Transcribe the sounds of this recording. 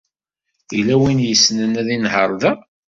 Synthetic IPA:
ilæwinjəsːnənæðinhəɾˤðæ

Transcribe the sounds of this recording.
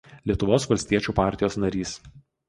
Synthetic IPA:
lʲiɛt̪ʊʋoːsʋɐlʲsʲt̪ʲiɛt͡ʃʲuːpɑˑɾʲt̪ʲɪjoːsnɐɾʲiːs

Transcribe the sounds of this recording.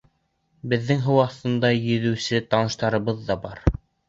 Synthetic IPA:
bɘ̆ðːɘŋɦɤ̆wɑθt̪ɤ̆nd̪ɑjɵ̆ðʉ̆wsɘt̪ɑnɤ̆ʃt̪ɑɾɤ̆βɤðːɑbɑɾ

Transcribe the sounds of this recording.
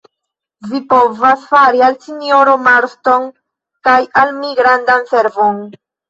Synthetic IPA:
vipo̞vasfaɾialsinjo̞ɾo̞maɾsto̞n | kajalmiɡɾandanse̞ɾvo̞n

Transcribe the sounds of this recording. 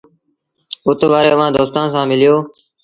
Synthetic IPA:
ʊt̪ʋaːɾeːəʋ̤ãːd̪oːst̪aːnsãːmɪlɪjoː

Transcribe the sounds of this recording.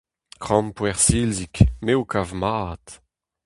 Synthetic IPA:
kχɑ̃mpwɛʁsilzikmeokavmaːt

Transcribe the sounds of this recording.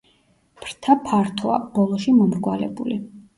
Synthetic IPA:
pʰɾt̪ʰapʰaɾt̪ʰɔa̰b̥ɔlˠɔʃimɔmɾɡwalɛ̰bṵli

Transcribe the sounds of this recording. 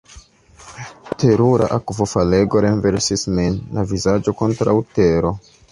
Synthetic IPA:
tʰe̞ɾuɾa̰ʔakvo̞fale̞ɡo̞ɾenveɾsismenlavizad͡ʒo̞ko̞ntɾawteɾo̞

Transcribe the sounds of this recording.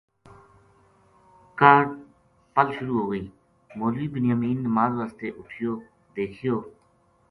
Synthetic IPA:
kəɖ | pəlʃʊɾuːɦoːɡəiː | moːliːbʊnɪjaːmiːnnəmaːzʋaːst̪eːʔʊʈʰɪjoː | d̪eːkʰɪjoː

